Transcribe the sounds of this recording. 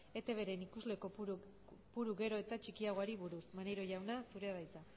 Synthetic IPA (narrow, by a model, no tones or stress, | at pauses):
e̞t̪e̞βe̞ɾenikuzle̞ko | puɾuɣe̞ɾo̞e̞t̪at͡ʃikiaɣ̞oaɾiβuɾusmaneɾo̞ʝawnasuɾe̞aðajt͡sa